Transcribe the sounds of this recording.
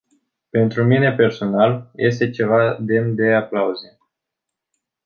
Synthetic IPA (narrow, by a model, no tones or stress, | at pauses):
pe̞nt̪ɾumine̞pe̞rso̞nalje̞s̬t̪e̞t͡ʃe̞vad̪e̞md̪e̞aklauze